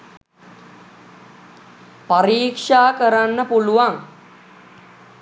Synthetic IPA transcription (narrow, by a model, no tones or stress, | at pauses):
paɾiːkʂaːkəɾanːəpuluʋaŋ